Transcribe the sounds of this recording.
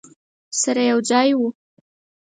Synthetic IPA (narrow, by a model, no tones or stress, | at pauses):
saɾajawd͡zɑjwu